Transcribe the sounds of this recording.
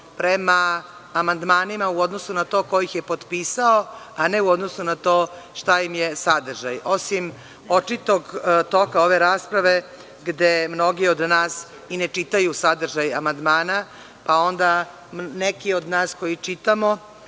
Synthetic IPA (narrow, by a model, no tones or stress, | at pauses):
pɾemaː | mand̪maːnimauo̞d̪nosunat̪o̞ːko̞jixjepo̞d̪pisao | ane̞uod̪no̞sunat̪oː | ʃt̪ajimjesad̪r̩ʒajo̞sim | o̞t͡ʂit̪oɡt̪o̞kaoʋe̞ɾaːspɾaʋe̞ | ɡd̪emno̞ɡio̞d̪naːs | inet͡ʃit̪ajusad̪r̩ʒajamand̪maːna | pao̞nd̪a | mnekio̞d̪naːsko̞jit͡ʃit̪amo